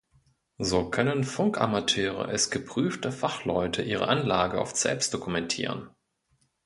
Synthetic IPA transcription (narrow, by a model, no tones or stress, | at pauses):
zoːkʰœnənfʊŋka̰matʰøːʁə̰ʔɛsɡ̥əpʁ̥yːftəfaχlɔʏtʰəʔiːʁə̰ʔanlaːɡəa̰ʊft͡sɛ̰pstd̥okumɛntʰḭːʁ̞ə̰n